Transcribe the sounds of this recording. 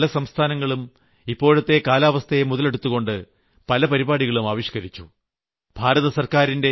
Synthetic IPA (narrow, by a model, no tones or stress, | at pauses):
lɐsɐmst̪ʰaːnɐŋːɐɭum | ipːo̞ːɻɐt̪ːe̞kaːlaːʋɐst̪ʰɐjemuðɐle̞ɽut̪ːuɣo̞ɳɖɨ | pɐlɐpɐɾibaːɽiɣɐɭumaːʋiɕkɐɾit͡ɕːu | b̥ʱaːɾɐðɐsɐrkaːɾinde̞